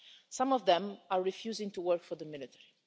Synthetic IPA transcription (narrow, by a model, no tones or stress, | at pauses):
sãmɔvd̪ɛ̃maɹɹifjuːzɪ̃ŋtuwɜɹkfɔɹðəmɪlɪt̪ʰɛɹi